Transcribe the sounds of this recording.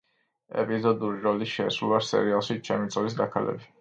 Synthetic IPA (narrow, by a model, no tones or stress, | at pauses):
ɛ̰pʼizɔd̪uɾiɾɔliʃɛsɾulˠasɛ̰ɾialˠʃit͡ʃʰɛmit̪sʼlis̬d̪akʰalɛ̰bi